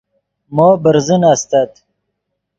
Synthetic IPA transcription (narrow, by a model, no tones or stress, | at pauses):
mɔːbəɾzənast̪at̪